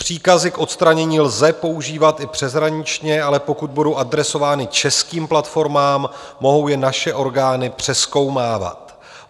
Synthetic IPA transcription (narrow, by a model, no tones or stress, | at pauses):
pr̝̥iːkazɪkʔo̞t̪st̪ɾaɲɛɲiːlzɛpo̞uʒiːvat̪ɪpr̥ɛzɦɾaɲɪt͡ʃɲɛalɛpo̞kud̪̚budo̞wʔad̪ɾɛso̞vaːnɪt͡ʃɛskiːmplat̪fo̞ɾmaːmːo̞ɦo̞wjɛnaʃɛʔo̞ɾɡaːnɪpr̝̥ɛsko̞wmaːva̰t̪